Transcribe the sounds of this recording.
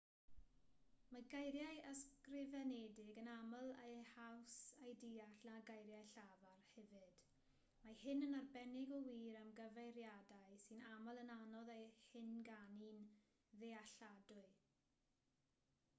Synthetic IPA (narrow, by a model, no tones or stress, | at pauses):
maɡajɾjajəskrɪvɛnɛdɪɡənaməlˠejhawsajdiaɬnaɡajɾjajɬavarhɛvɨd̥ | mahɪnənarbɛnɪɡɔwiːɾəmɡəvejɾjadaɨsɨnaməlˠənanɔðejhɪnɡanin | ðeaɬadʊɨ